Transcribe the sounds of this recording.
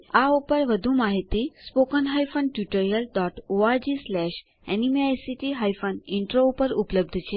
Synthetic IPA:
aupəɾʋəd̪ʱũmaɦit̪ispokənɦajfənʈjuʈəɾijəlɖɔʈoaɾd͡ʒislɛʃ | ɛnimeajsiʈiɦajfənɪɳʈɾoupəɾupləb̚d̪ʱt͡ʃʰe

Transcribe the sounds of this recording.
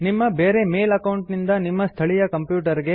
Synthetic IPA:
nimːɐbeːɾe̞me̞ːlɐkɐwɳʈnind̪ɐnimːɐst̪ʰɐɭijɐkɐmpjuːʈ̬ɐɾiɡe̞

